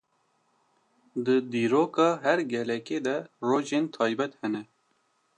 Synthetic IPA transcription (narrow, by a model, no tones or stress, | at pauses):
d̪əd̪iːɾoːkɑːɦɛɾɡɛlɛkeːd̪ɛroːʒeːnt̪ʰɑːjbɛt̪hɛnɛ